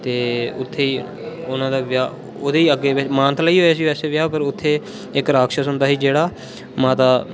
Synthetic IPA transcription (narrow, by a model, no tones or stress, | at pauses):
t̪eːʊt̪ʰːeːiː | ʊnãːd̪aːʋjaː | oːd̪eːiːəɡeːʋɪt͡ʃmãːnt̪laiːɦoːaːsiːɛːseːʋjaːpəɾʊt̪ʰːeː | ɪkɾaːkʃəsɦʊnd̪aːɦiːd͡ʒeːɽaː | mãːt̪aː